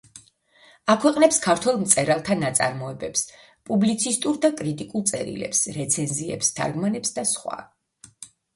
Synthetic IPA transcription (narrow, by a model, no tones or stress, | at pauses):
akʰwɛqʼnɛpskʰaɾt̪ʰwɛlˠmt̪sʼɛɾalˠt̪ʰanat̪sʼa̰ɾmɔɛbɛps | pʼublit̪sʰist̪ʼuɾd̪akʼɾit̪ʼikʼulˠt̪sʼɛ̰ɾḭlɛ̰psɾɛt̪sʰɛnziɛ̰pst̪ʰa̰ɾɡmanɛpsd̪asχwa̰